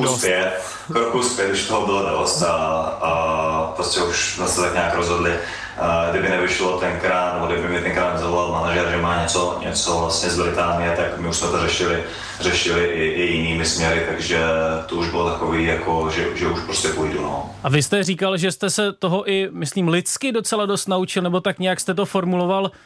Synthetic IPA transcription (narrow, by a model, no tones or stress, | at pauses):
uspjɛt̪̚ | kɾokuspjɛt̪ɪʃt̪oɦobɪlodoost̪aapɾostcɛuʃsmɛsɛt̪akɲaːkɾozɦodlɪ | ɡdɪbɪnɛvɪʃlot̪ɛnkɾaːt̪nɛboɡdɪbɪmɲɛt̪ɛnkɾaːt̪nɛzavolalmanaʒɛɾʒɛmaːɲɛt͡soɲɛ̰t͡sovlastɲɛzbɾɪt̪aːnɪjɛt̪akmɪuʃsmɛt̪orɛʃɪlɪ | r̥ɛʃɪlɪʔɪʔɪjɪniːmɪsmɲɛɾɪt̪aɡʒɛt̪ouʒbɪlot̪akoviːjakʰoʒɛʒɛuʃpɾoscʲɛpojduno̰ʔavɪst̪ɛriːkalʒɛst̪ɛsɛt̪o̞ɦoʔɪmɪsliːmlɪt̪t͡skɪdo̞t͡sɛlado̞st̪naut͡ʃɪlnɛbo̞t̪akɲɛjakst̪ɛt̪o̞fo̞ɾmuloval